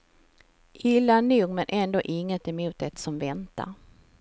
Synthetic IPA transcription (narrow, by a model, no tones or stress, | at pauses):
ʔɪlːanuːɡmɛnʔɛnd̪oːʔɪŋːət̪ɛmuːt̪ɛt̪sɔmvɛnt̪a̰ɾ